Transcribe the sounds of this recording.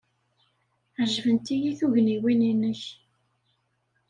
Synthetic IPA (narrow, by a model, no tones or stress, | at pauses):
ʕʒvənt̪ijiθuʝniwininəç